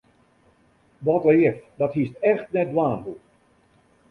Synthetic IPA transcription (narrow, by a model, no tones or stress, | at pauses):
ʋɔtəɪfdɔthistɛxt̚nɛt̚dwaːnɦu